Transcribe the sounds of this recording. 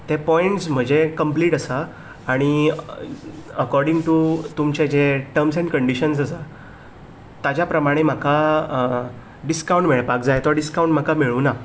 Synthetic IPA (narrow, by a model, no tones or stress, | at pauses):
t̪epɔiɳʈsm̤əd͡ʑekəmpliːʈəsaː | ɽ̃i | əkɔɾɖĩŋɡʈut̪umt͡ɕed͡ʑeʈəɾms̬ɛ̃ɳɖkəɳɖiɕənsəsa | t̪ad͡ʑjapɾəmaɽ̃em̤akʰa | ɖiskauɳʈmeɭpakd͡zajt̪ɔɾɖiskaũɳʈm̤akamiɭuːna